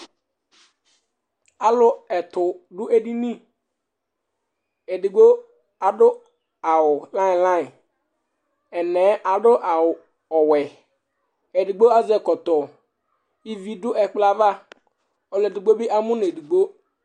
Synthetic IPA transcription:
a˨lʊ˦ɛ˨t̪ʊ˨dʊ˦ʔe˨di˦nĩ˦ | e˨di˨ɡ͡bo˦ | a˨dʊ˦ | a˨wʊ˨lã˦ɪ̃˨lã˦ɪ˨ | ɛ˨nɛ˨˦ʔa˨dʊ˦ʔa˨wʊ˨ | ɔ˨wɛ˨ | e˨di˨ɡ͡bo˦a˦zɛ˨kɔ˨t̪ɔ˨ | i˦vi˦dʊ˦ʔɛ˨k͡pla˦va˦ | ɔ˨lɛ˨di˨ɡ͡bo˦bi˦ʔa˦mʊ̃˦n˨e˨di˨ɡ͡bo˦

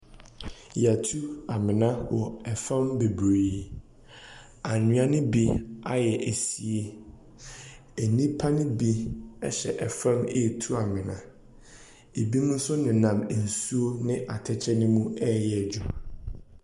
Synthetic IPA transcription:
ja˨tʰu˦a˨mɪ̃˨nã˦wɔ˨ɛ˨fɛ̃˦mbe˨bɾe˨ | a˨nũ˨˦ã˦nɪ̃˦bi˦a˦jɛ˨ʔe˨si˨e˦ | e˨nĩ˦pʰa˦nɪ̃˦bi˦ɛ˦ɕɛ̰˨ʔɛ˨fɛ̃˦mḛ˦˨tʰu˦a˨mɪ̃˨nã̰˨ | e˨bi˦mũ˦n̩˦sʊ˦nɪ̃˨nã˨m˨n̩˨su˦o˦nɪ̃˦ʔa˨tʰɛ˦t͡ɕʰɛ˦nɪ̃˦mũ˦ɛ˦jɛ˨d͡ʑu˦

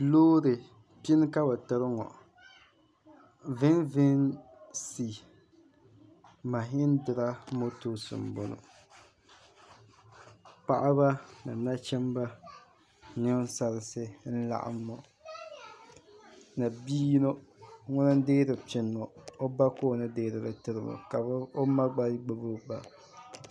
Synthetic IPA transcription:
loː˦ɾɨ˨ | pi˦n˦ka˦ba˨tɨ˨ɾɨ˦ŋɔ̰˨ | vɪ˦nvɪ˦n | si˨ | ma˨ɦɪ˦ndɪ˨ɾa˦mo˦to˦sɨ̰˨m˨bo˨no̰˨ | pa˦ʔa˦ba˦na˨na˦t͡ʃɛ˦mba˦ | nɪ˦sa˨ɾɪ˨sɨ˦n̩˦la̰˨ʔa̰˨mːo˨ | na˨biː˦no˦ŋʊ˦nɨ˦n˦deː˦ɾɨ˨pɪ˨n˨mo˨o˦ba˦koː˦˨nɨ˦deː˦ɾɨ˨lɨ˦˨tɨ˦ɾɨ˨mɔ̰˨ka˨bo˦ma˦ɡ͡ba˦ɾi˦ɡ͡ba˨bo˦ba̰˨

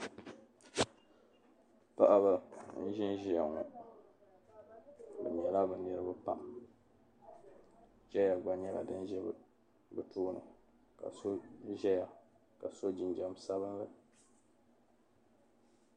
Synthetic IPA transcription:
pa̰˦ʔa˨ba˨n̩˦ʒɪ˦nʒi˨a˨ŋɔ̰˨ | bɨ̰˨ɲ˨ɛ˨la˦bɨ˨nɨ˦ɾɨ˦bɨ˦pa̰˦ʔ | d͡ʒɛ˦ja˨ɡ͡ba˨ɲɛ˦la̰˨dɨ˦n˦ʒɛ˦b̰ | bɨ˨tuː˦nɨ̰˨ | ka̰˨so˦ʒɛ˦ja˨ | ka˨so˦d͡ʒɪ˨nd͡ʒɛ˦m˦sa˦βɨ˦n˦lɨ˦

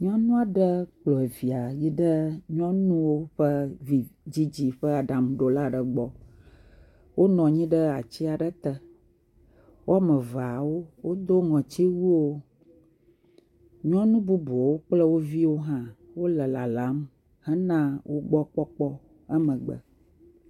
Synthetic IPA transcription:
ɲɔ̃˦nũ˦a˦˨ɖə˦k͡plɔ˨e˨vi˨a˨ji˦ɖə˦ɲɔ̃˦nũ˦wo˦ɸə˦vi˨d͡ʑi˦d͡ʑi˦ɸə˦a˨ɖa˨m˨ɖo˨la˦ɖə˨ɡ͡bɔ˨ | wo˦nɔ̃˨ɲĩ˦ɖə˦a˨t͡ɕi˦a˨ɖə˦t̪ə˦ | wo˦a˦mə̃˨va˨wo˦wo˦d̪o˦ŋɔ̃˨t͡ɕi˦wu˦wo˦ | ɲɔ̃˦nũ˦bu˦bɔ˨wo˦k͡plə˦wo˦vi˦wo˦ɦã˦wo˦lə˨la˨la˨˦m | hə˦nã˦wʔo˦ɡ͡bɔ˦k͡pɔ˦k͡pɔ˦ | ə˦mə̃˨ɡ͡bə̰˨

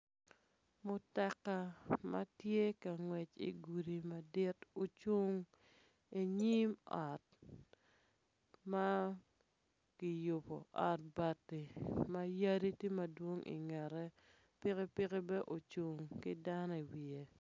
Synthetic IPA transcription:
mʊ˨ta˨kːa˨ma̰˦tje˦ka˨ŋwɛ˨t͡ʃḭ˨ɡu˨ɾi˨ma˨dɪ˦to˨t͡ʃo˦ŋ | e˨ɲi˦mɔ˨t̚ | ma˦ | ki˨jo˨po̰˨ʔɔ˨t̚ba˨tːi˨ma˦ja˦ɾi˦ti˦ma˦dwo˦ŋḭ˨ŋɛ˨ɾɛ˦ | pɪ˦kɪ˦pɪ˦kɪ˦bɛ˦ʔo˨t͡ʃu˨ŋkɪ˦da˦nɔ˦˨i˨wi˨e˨

